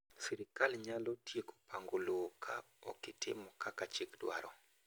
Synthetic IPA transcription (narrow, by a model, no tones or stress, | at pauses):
siɾɪkalɲalɔtjeko̥paŋɡolokʰa | ɔ̰kɪtʰɪ̰mɔkakat͡ʃikdwa̰ɾɔ